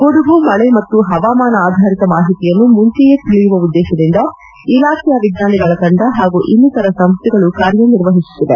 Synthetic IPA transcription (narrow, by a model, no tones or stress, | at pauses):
ɡoɽuɡumɐɭemɐt̪ːuɦɐʋaːmaːnɐaːd̪ʱaːɾit̪ɐmaːɦit̪ijɐnːumuɲt͡ʃijet̪iɭijuʋɐud̪ːɛːʃɐd̪ind̪ɐ | ilaːkʰɛjɐʋiɡ̪naːniɡɐɭɐkɐɳɖɐɦaːɡuʔinːut̪ɐɾɐsɐmst̪iɡɐɭukaːɾjɐniɾʋɐɦisu̥t̪ːid̪e